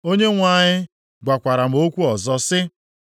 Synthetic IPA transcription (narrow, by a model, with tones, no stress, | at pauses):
o˦ɲe˦ŋʷa˦˨ɲɪ˦ | ɡʷa˨kʷa˨ɾa˨m̩˨˦o˦kʷu˦ɔ˨zɔ˦sɪ˦